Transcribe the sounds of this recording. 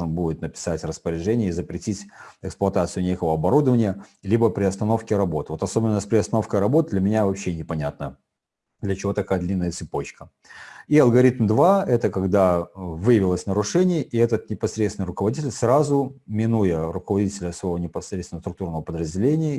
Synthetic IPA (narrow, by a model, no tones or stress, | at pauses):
ʐɨnbudʲɪt̪nəpʲɪ̥satʲrəspəɾʲɪʐɛnʲɪjəizəpɾʲɪtʲitʲɛksplˠɐt̪at̪sɨjʊnʲekəvəɐbɐɾud̪əvənʲɪjəlʲibəpɾʲɪɐst̪ɐno̞fkʲɪɾɐbo̞t̪vo̞t̪ɐsobʲɪnːəspɾʲɪɐst̪ɐno̞fkəjɾɐbo̞t̪̚d̪lʲəmʲɪnʲavɐpɕːenʲɪpɐnʲat̪̚nə | d̪lʲət͡ɕɪvo̞t̪ɐkajəd̪lʲinːəjət̪sɨpo̞t͡ɕkə | iɐlˠɡɐɾʲit̪md̪vaɛt̪əkɐɡd̪avɨjəvʲɪlˠəsʲnəɾʊʂɛnʲɪjəʔiɛt̪ət̪̚nʲɪpɐsɾʲet̪sʲɪnɨɪrʊkəvɐdʲitʲɪlʲsrazʊmʲɪnujəɾʊkəvɐdʲitʲɪlʲəsvɐjvonʲɪpɐsɾʲet̪sʲnəst̪ɾʊkt̪urnəvəpəd̪ɾəzʲdʲɪlʲenʲɪjə